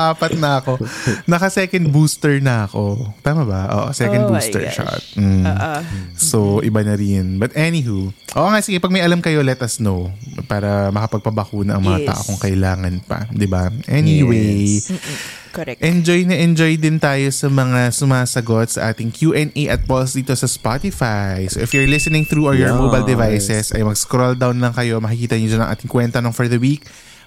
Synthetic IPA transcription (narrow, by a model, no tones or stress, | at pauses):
ʔaːpɐt̪̚nɐɐko̞nɐkɐsɛkɐnd̪̚buːst̪ɛɹnɐɐko̞t̪aːmɐbɐʔo̰ːʔo̰sɛkɐnd̪buːst̪ɛ̰ɹʃa̰t̪̚mm̩ | soʔɪbanɐɾɪnbɐt̪ʔɛniɦuʔoːʔoŋaʔsɪɡɛpɐɡ̚mɐjʔɐlamkɐjo̞lɛt̪ɐsnowpaːɾɐmɐkɐpɐɡ̚pɐbɐkuːnɐʔɐŋmmɐŋat̪a̰ːʔokʊŋkɐʔɪlaːŋɐnpɐ̰d̪ɪbaʔɛniwe | ʔɛnd͡ʒojnɐʔɛnd͡ʒojd̪ɪnt̪aːjo̞sɐmɐŋasʊmaːsɐɡo̞t̪̚sɐ̰ʔaːt̪ɪŋkjuʔɛnʔejʔɐt̪̚polsd̪iːt̪o̞sɐspat̪ɪfajsoʔɪfjuɹlɪsɛnɪŋθɾuːʔɐjɔɹmobɐjld̪ɪvajsɛsʔɐ̰jmɐɡskɾold̪awnlɐŋkɐjo̞mɐkɪkiːt̪ɐɲod͡ʒɐnɐŋʔa̰ːt̪ɪŋkwɛnt̪ɐnoŋfɔɹðɐwik̚